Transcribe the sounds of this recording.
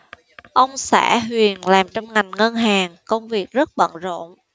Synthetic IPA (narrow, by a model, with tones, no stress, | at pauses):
ʔə˧wŋ͡msa̰ː˧˥ɦwi˨˩ənlaː˨˩mt͡ɕɔ˧wŋ͡mŋa˨˩jŋ̟ŋə˧nɦaː˨˩ŋkə˧wŋ͡mvi˨˩ək̚zə˦˥t̚ɓə̰˧˨nzo̰˧˨n